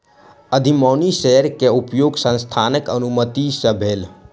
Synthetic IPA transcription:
əd̪ʱimɔːnisɛɦɾkeupjoːɡsə̃nst̪ʰaːnəkənumət̪isəbʱeːl

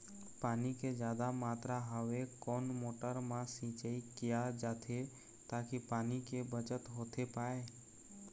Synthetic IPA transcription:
paːniked͡ʒjaːd̪amaːt̪ɾaɦəʋekoːnmoːʈəɾmãsĩːt͡ʃəikɪjad͡ʒaːt̪ʰe | t̪aːkipaːnikebət͡ʃət̪ɦoːt̪ʰepaːe

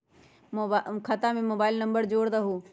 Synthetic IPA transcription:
kʰat̪ãːmẽmoːbaːɪlnə̃mbəɾd͡ʒoːɽd̪aɦuː

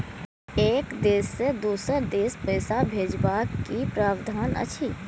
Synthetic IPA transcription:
eːkd̪eːsːed̪uːsəd̪eːspəːsabʱeːd͡ʒbaːkkːipɾaːbd̪ʱaːnə̰t͡ʃʰiː

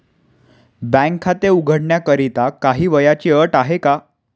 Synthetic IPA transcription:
bɛ̃ŋkʰat̪euɡʱəɽɳjakəɾit̪akaɦiːʋəjat͡ɕiːəʈaɦeka

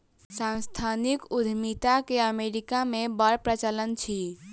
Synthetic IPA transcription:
sãnst̪ʰanikud̪ʱmit̪akeəmeɾikamebəɾpɾət͡ʃələnt͡ʃʰi

